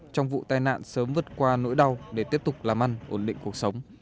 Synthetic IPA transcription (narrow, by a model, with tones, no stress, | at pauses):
t͡ɕɔ˧wŋ͡mvṵ˧˨t̪aː˧jna̰ː˧˨nsəː˨˦mvɨ˨˩ət̚kwaː˧no̰˧˥jɗa˧˩wɗe˧˩t̪i˦˥əp̚t̪ʊ˨˩k͡p̚laː˨˩mʔa˧jŋ̟ʔo˧˩nɗḭ˧˨ŋ̟ku˨˩ək̚sə˨˦wŋ͡m